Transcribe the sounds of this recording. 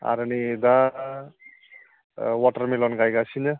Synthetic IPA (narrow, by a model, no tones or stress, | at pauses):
a̰ɾɯnid̪a | waʈərmelɔnɡajɡasʰinɯ